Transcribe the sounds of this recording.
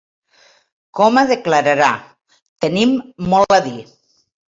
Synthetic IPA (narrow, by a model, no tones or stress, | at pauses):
kɔməðəkləɾəɾa | t̪ənimːɔləði